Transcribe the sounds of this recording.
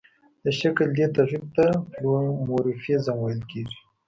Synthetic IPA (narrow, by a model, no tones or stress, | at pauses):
d̪̥əʃakəld̪et̪aɣib̚t̪aplmoɾifjezamwajlkeʐi